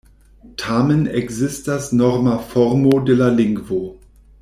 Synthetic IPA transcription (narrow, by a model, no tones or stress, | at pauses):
tʰaːmənɛɡzɪst̚d̥asnɔʁmafɔʁmodɛlalɪŋkvoː